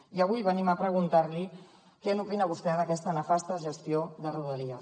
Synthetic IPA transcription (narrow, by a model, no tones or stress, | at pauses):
iəβ̞ujβəniməpɾəɣunt̪aɾli | kɛnupinəβ̞ust̪ɛðəkɛst̪ənəfast̪əʒəst̪ioðəruðəliə